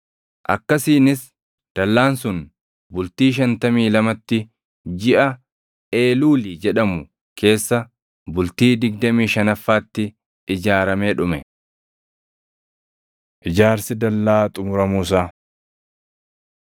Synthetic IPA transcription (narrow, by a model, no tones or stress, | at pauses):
ʔɐ̰kːɐsiːnɪs | d̪̥ɐlːaːnsʊn | bʊlt̪iːʃ̬ɐnt̪ɐmiːlɐmɐt̪ːɪ | d͡ʒɪʔɐ | e̞ːluːlid͡ʒɛᶑɐmʊ | kʰe̞ːsːɐ | bʊlt̪iːd̪ɪɡ̚d̪ɐmiːʃɐnɐfːaːt̪ːɪ | ɪd͡ʒaːɾɐmeːᶑʊmɛ | ʔɪd͡ʒaːɾsɪd̪ɐlːaːt̪ʼʊmʊɾɐmuːs̬aː